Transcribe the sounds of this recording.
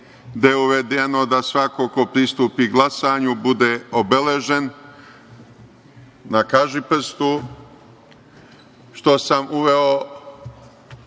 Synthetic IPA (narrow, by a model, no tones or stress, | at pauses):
d̪ajeuʋe̞d̪eno̞d̪asʋako̞ko̞pɾist̪uːpiɡlˠasaːɲubud̪eobeleʒe̞n | nakaʒipr̩st̪u | ʃt̪o̞samuʋeo